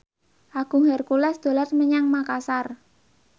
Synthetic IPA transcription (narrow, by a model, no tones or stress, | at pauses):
ʔaɡ̥ṳŋhɛrkulɛsd̪̥o̤larməɲaŋmakasar